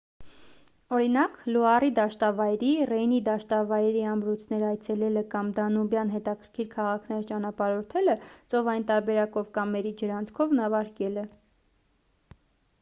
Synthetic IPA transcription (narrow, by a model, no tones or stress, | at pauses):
ɔɾinɑkluɑrid̪ɑʃt̪ɑvɑjɾirɛjnid̪ɑʃt̪ɑvɑjɾiɑmɾut͡sʰnɛɾɑjt͡sʰɛlɛləkɑmd̪ɑnubjɑnɦɛt̪ɑkʰəɾkʰiɾkʰɑʁɑkʰnɛɾt͡ʃɑn̪ɑpɑɾɔɾt̪ʰɛlət͡sɔvɑjint̪ɑɾbɛɾɑkɔvkɑmːɛɾid͡ʒəɾɑnt͡sʰkʰɔvnɑvɑɾkɛlə